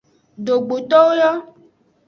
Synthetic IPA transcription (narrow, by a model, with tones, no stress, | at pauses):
ɖo˨ɡ͡bo˨t̪ɔ˦wo˦jɔ˦